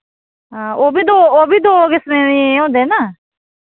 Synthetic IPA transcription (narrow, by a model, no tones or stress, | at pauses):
ɦãːʔoːbiːd̪oːoːbiːd̪oːkɪsneːiːõːnd̪eːnaː